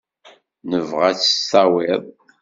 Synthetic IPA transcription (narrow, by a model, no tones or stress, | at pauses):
nəvʁæt͡sːə̥sɑwɪðˤ